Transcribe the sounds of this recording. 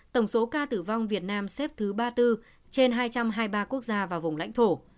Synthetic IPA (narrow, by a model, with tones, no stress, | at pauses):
t̪ə˧˩wŋ͡mso˨˦kaː˧t̪ɨ˧˩va˧wŋ͡mvi˨˩ət̚naː˧msɛ˦˥p̚t̪ʰɨ˨˦ɓaː˧t̪ɨ˧ | t͡ɕe˧nɦaː˧jt͡ɕa˧mɦaː˧jɓaː˧ku˦˥ək̚zaː˧vaː˨˩wvʊ˨˩ŋ͡mla̰˧˥jŋt̪ʰo˧˩